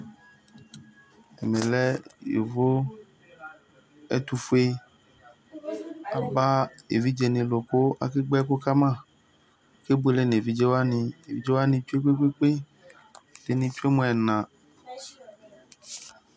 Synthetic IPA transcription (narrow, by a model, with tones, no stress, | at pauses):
ɛ˨mẽ˨lɛ˦jḛ˨vo˦ | ɛ̰˦t̪u˧fu˦e˦ | a˨ba˦e˨vi˦d͡ʒɛ˨nẽ˨lo˨ko˦a̰˦ke˦ɡ͡bɛ˦ko˦ka˦mã˦˨˦ | ke˦bu˦e˦le˦ne˨vi˨d͡ʒɛ˦wa˦nĩ˧e˨vi˨˦d͡ʒɛ˦wa˦nĩ˧t͡ʃu˦e˦k͡pe˦k͡pe˦k͡pe˦ | de˨nĩ˧t͡ʃu˦e˦mõ˨˦ɛ˨nã˨